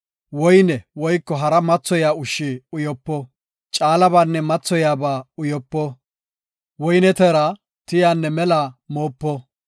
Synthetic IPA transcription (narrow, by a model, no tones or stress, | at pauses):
wɔjnɛwɔjkːɔɦɐɾɐmɐt͡sːɔjaːʊʃːɪʊjɔpːɔ | t͡ʃʼaːlɐbaːnːɛmɐt͡sːɔjaːbaːʊjɔpːɔ | wɔjnɛt̪ɛɾɐ | t̪ɪjaːnːɛmɛlaːmoːpːɔ